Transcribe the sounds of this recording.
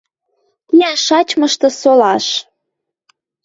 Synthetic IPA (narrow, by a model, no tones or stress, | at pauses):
jæʃɑt͡ɕməʃt̪ɤ̆solɑʃ